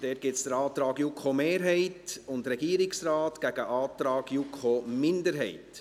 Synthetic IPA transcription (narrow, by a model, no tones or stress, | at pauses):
d̥ɛːt̚ɡ̥ɪtsd̥əɾɑːt̪ɾɑːɡjukʰχomeːɾɦɛɪtʊndɾɛɡiːəɾɪksɾɑːtɡ̥æɡ̥əʔɑːt̪ɾɑːɡjukʰomɪndəɾɦɛ̰ɪt